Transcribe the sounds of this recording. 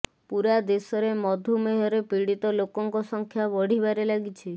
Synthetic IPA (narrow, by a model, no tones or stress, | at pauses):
puɾad̪esɔɾemɔd̪ʱumeɦɔɾepiɽit̪ɔlokɔŋkɔsɔŋkʰjabɔɽ̤ibaɾelaɡit͡ʃʰi